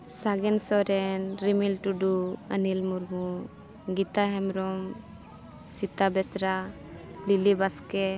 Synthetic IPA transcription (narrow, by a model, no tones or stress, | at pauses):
saɡensoɾenɾimilʈuɖuɐ̰nilmuɾmu | ɡit̪aɦemɾom | sit̪ːabesɾa | lilibɐske